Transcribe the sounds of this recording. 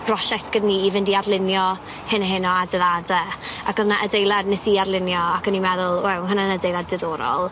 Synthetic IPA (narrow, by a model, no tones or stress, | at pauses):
b̥rɔʃɛk̚tʰɡ̥ədniivɪndiarlˠɪnjɔ | hɪnəɦɪnɔadəladɛakʰɔðnaʔədejlˠadnesiarlˠɪnjɔakʰənimɛðʊlˠwɛwɦʊnanədejlˠadɪðoːɾɔ̰lˠ